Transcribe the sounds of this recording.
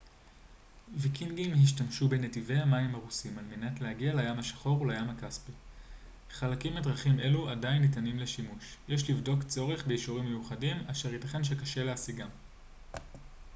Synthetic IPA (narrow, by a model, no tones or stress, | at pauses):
vikinɡimɦiʃtamʃube̞ne̞tive̞amaimaʁusimalmenatlehaɡialajamaʃḁχo̞ʁlajamakaspi | χalakimedʁaχimʔe̞luadainːitanimleʃimuʃjeʃlivdo̞kt͡so̞ʁe̞χbeiʃuʁimːejuχadimaʃeʁitaχe̞nʃ̬e̞kaʃe̞leasiɡam